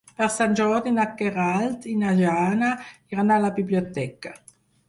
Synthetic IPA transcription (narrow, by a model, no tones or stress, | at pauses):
pɛʁsand͡ʒɔʁd̪inakːeʁalt̪inaʒaːnaiʁanalabibliot̪ɛka